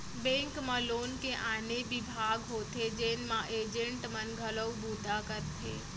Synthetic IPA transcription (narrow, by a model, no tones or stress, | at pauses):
bɛ̃ŋkmãlonkeʔanebibʱaɡɦot̪ʰed͡ʒenmãʔed͡ʒəɳʈmənɡʱələwbut̪akəɾt̪ʰe